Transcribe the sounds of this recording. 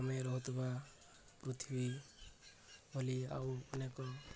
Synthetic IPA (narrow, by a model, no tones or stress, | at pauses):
ameɾɔɦut̪uba | pɾut̪ʰibi | bʱɔlia̰wɔnekɔ